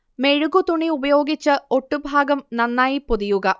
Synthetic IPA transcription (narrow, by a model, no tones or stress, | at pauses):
me̞ɻuɡut̪uɳiubɐjo̞ːɡit͡ɕːɨo̞ʈːubʱaːɡɐmnɐnːaːjipuðijuɣɐ